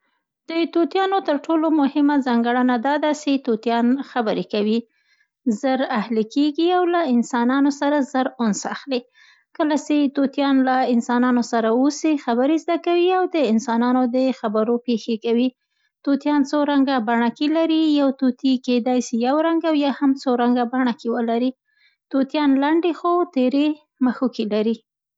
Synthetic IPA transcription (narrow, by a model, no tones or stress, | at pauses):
d̪̥ət̪ot̪jɑnot̪əɾʈolomʊhɪmazɑŋɡəɽənad̪ɑd̪aset̪ot̪jɑnxabəɾekawi | zəɾahlikeɡiawlaɪnsɑnɑnosaɾazəɾonsa̰xle | kəlaset̪ot̪jɑnlaɪnsɑnɑnosaɾaosixabəɾezd̪akawiawd̪əɪnsɑnɑnod̪əxabaɾopexekawi | t̪ot̪jɑnt͡soɾaŋɡabaɳakelaɾijawt̪ot̪iked̪ɑjsijawɾaŋɡawjɑhamt͡soɾaŋɡabaɳakewəlaɾi | t̪ot̪jɑnlaɳɖexot̪eɾe | məxokelaɾi